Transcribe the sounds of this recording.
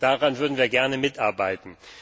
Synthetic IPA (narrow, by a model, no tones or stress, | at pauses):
d̥aʁanvʏɐdn̩viːɐɡɛɐnəmɪtʔaɐbaɪtn̩